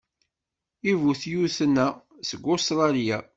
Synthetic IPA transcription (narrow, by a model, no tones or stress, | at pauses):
ivuθjuθənːæ | səɡost̪ɾˤɑlija